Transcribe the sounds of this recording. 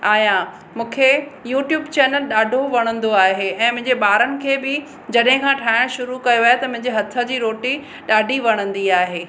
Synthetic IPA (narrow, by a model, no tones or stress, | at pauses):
aːjã | mũːkʰejuːʈjuːbt͡ɕɛːnəlɗaːɖʱoʋɐɽ̃ə̃nd̪oaːɦeʔɛ̃ːmʊ̃ɦɪ̃ɲd͡ʑeɓaːɾənɪ̆kʰeːbɪ | d͡ʑɐɗɦɪ̃kʰãːʈʰaːɦɪɽ̃ʃʊɾukɐjoʋaːjet̪ɐmʊ̃ɦɪ̃ɲd͡ʑeɦɐt̪ʰə̆d͡ʑiːɾoːʈi | ɗaːɖʱiʋɐɽ̃ə̃nd̪iaːɦeː